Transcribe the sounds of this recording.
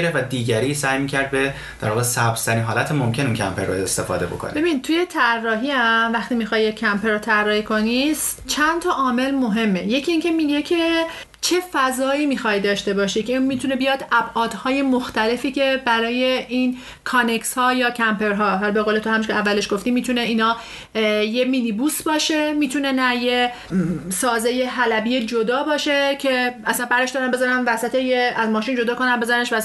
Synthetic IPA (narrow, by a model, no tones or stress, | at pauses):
ɾefvæd̪iːɟæɾiːsæjmiːcʰæɾd̪̚be | d̪̥æɾvɒːɣesæb̥z̥t̪ʰæɾiːnɦɒːlæt̪ʰemomcʲʰenuncʰæ̰mpʰeɾːo̰est̪e̞fɒ̰ːd̪e̞bokʰo̰n̰be̞binid̪̚t̪ʰuje̞t̪ʰærːɒːɦiæmvæxt̪imixɒjːekʲʰːæmpʰeɾot̪ʰærːɒːhiːkʰo̞nis | t͡ʃʰænt̪ʰɒʔɒːme̞lmo̞ɦe̞mːe̞je̞cʰiːŋcʰe̞miːɟe̞cʰe̞ | t͡ʃʰe̞fæzɒːiːmiːxɒjd̪ɒːʃt̪e̞bɒːʃiːkʰeinmiːt̪ʰunebijɒːd̪æbʔɒːd̪̥hɒːje̞moxt̪æle̞fiːcʰe̞bæɾɒːje̞iːn | kʰɒnekshɒːjɒːcʰæmpʰe̞ɾɦɒːɦɒlbe̞ɣoːlet̪ʰohæmiʃkʰeævːæleʃɡ̥oft̪iːmiːt̪ʰune̞iːnɒː | jeminibusbɒːʃe̞miːt̪ʰune̞næje | sɒːzeje̞ɦælæbiːje̞d͡ʒod̪ɒːbɒːʃe̞cʰe̞æsænbæɾd̪eʃd̪ɒɾæmbe̞zɒːɾænvæsæt̪ʰejeæzmɒːʃiːnd͡ʒo̞d̪ɒːko̞næmbe̞zɒɾæneʃæz